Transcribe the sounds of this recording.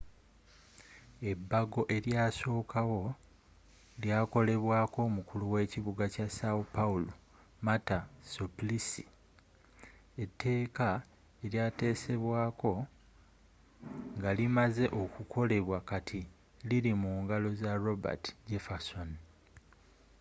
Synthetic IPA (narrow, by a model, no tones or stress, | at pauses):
e̞bːaɡo̞ʔe̞ɾjaːso̞ːkawo̞ | ljaːko̞le̞βwaːko̞ːmukuluwe̞ːciβuɡacasaupaulo | matasoplisi | e̞tːe̞ːka | e̞ɾjaːte̞ːse̞βwaːko̞ | ŋɡalimaze̞ʔo̞kukʰo̞le̞βwakatʰi | liɾimuːŋɡalo̞zaɾo̞ba̰ti̥ɟe̞fason